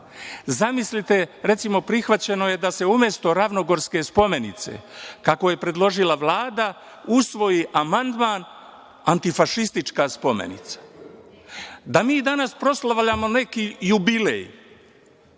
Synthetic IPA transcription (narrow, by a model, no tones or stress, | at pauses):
zamislit̪e̞ɾe̞t̪simo̞pɾixʋat͡ɕe̞no̞je̞d̪ase̞umje̞st̪o̞ɾaʋno̞ɡo̞ɾske̞spo̞me̞nit̪sḛkako̞je̞pɾe̞d̪lˠo̞ʒilaʋlˠaːd̪a | usʋo̞jiʔamand̪maːn | ant̪ifaʃist̪it͡ʃkaspo̞me̞̰nḭt̪sḁ | d̪amiːd̪anaspɾo̞slaʋʎamo̞ne̞kijubilḛj